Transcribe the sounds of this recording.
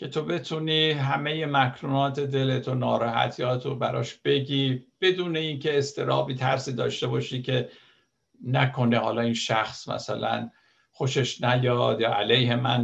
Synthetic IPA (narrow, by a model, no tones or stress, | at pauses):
cʰe̞t̪ʰo̞be̞t̪ʰuniːɦæme̞je̞mækʰɾuːnɒːt̪ʰe̞d̪e̞let̪ʰonɒːɾɒːhæ̰t̪ʰijɒːt̪ʰobæɾɒ̰ːʃb̥e̞ɡʲiːb̥e̞d̪uːne̞iːncʰe̞ːst̪ʰe̞ɾɒːbiːt̪ʰæ̰ɾsiːd̪ɒ̰ːʃt̪e̞bɒːʃiːcʰe̞ | nækʰo̞nehɒ̰ːlɒːinʃæxsmæ̰sæ̰læ̰n | xo̞ʃe̞ʃnæjɒːd̪jɒːælejhe̞mæn